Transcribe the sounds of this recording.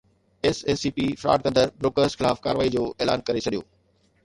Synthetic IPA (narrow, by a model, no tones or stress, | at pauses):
esesiːpifɾa̰ːɖ̚kɐ̃nd̪əɾbɾoːkəɾzxɪlaːfka̰ːɾʋaːid͡ʑoːʔeːlaːnkɐɾet͡ɕʰɐɗijo̰ː